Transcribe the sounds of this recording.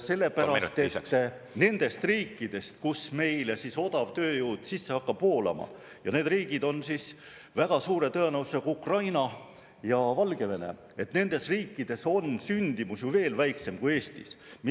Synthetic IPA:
se̞lːe̞pæɾɑst̪et̪ː | ne̞nd̪̥e̞st̪riːkːid̪̥e̞st̪̚kusme̞jlesiso̞d̪̥ɑb̥̚t̪ø̞ːjuːd̪̥sisːehɑkːɑb̥ho̞ːlɑ̰mɑ̰ | jɑ̰neːd̪riːɡ̥id̪̥o̞nsis | væɡ̥ɑsuːɾe̞t̪ɤenɑwu̥sekuukrɑjnɑ | jɑvɑlɡ̥e̞ve̞nḛ | e̞t̪ne̞nd̪e̞sriːkːid̪̥e̞so̞nsynʲd̪̥imusjuve̞ːlvæjkse̞mkue̞ːst̪ḭsm

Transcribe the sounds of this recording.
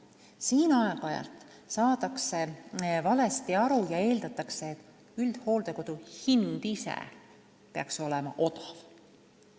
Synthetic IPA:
siːnɑekɑjɑ̰lt̪ | sɑːd̪ɑksevɑle̞st̪iɑɾujɑe̞ːld̪̥ɑt̪ˑːɑkse̞ːt̪ːˑ | yld̪̥ho̞ːld̪̥e̞ko̞d̪̥uhind̪̥isḛ | peɑ̰kso̞lemɑ̰ʔo̞t̪ɑ̥v

